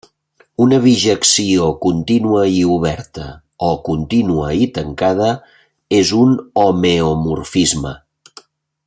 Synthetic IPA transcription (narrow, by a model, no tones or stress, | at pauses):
unəβiʒəksiokunt̪inuəiuβ̞ɛɾt̪ə | ɔkunt̪inuəit̪əŋkað̞ə | ezunomeomurfizmə